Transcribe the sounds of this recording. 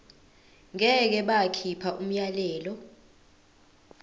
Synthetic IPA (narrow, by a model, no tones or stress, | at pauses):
ŋɛk̬ɛɓakʰipʰaʔum̩jalɛːlɔ